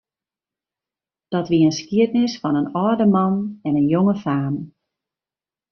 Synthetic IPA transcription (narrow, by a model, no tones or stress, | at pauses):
d̥ɔtʋiəənskiətnɪsfɔnənɔdəmɑnɛnənjoŋəfaːm